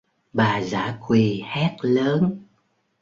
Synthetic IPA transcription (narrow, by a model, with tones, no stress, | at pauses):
ɓaː˨˩za̰ː˧˩kwi˨˩hɛ˦˥t̚ləː˨˦n